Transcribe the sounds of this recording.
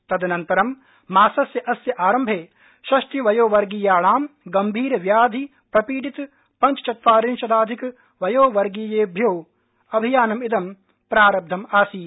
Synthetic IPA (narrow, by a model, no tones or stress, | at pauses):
t̪ɐd̪ɐnɐnt̪ɐɾɐmː | aːsɐsjɐʔɐsjɐʔaːɾɐmbʱeː | ʃɐʃʈiʋɐjoːʋɐɾɡiːjaːɭaːmɡɐmbʱiːɾɐʋjaːd̪ʱi | pɾɐpiːɖit̪ | pɐɲt͡ʃɐt͡ʃɐt̪aːɾinʃɐd̪aːd̪ʱik | ʋɐjoːʋɐɾɡiːjeːbʱjoː | ɐbʱijaːnɐmid̪ɐm | pɾaːɾɐb̚d̪ʱɐmaːsiː